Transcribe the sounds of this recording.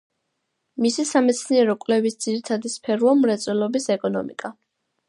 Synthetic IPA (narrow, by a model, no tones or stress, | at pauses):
misisamɛt̪sʰniɛɾɔkʼwlɛvisd̪z̥iɾit̪ʰad̪ispʰɛɾuɔmɾɛt̪sʼwɛlˠɔbisɛkʼɔnɔ̰mḭkʼa